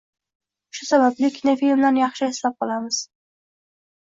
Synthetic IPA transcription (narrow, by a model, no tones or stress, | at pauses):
ʃʊsabablɪkʲʰɪnafilmlanjɑχʃɪeslap̚qʰɒlˠamɪz̥